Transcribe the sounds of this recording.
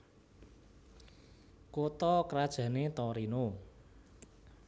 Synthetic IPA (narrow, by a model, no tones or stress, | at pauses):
kot̪ɔkəɾad̥ʒ̥ä̤net̪ɔɾino